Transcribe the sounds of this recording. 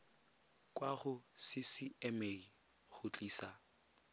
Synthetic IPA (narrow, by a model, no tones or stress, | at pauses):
kʼwaχʊsisiɛmei | ɣʊt͡ɬʼiːsa